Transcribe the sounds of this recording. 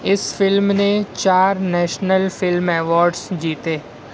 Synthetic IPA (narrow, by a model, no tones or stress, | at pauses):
ɪsfɪlmnẽt͡ʃaːɾnɛːʃnəlfɪlmɛːʋɔːɾɖsd͡ʒiːt̪eː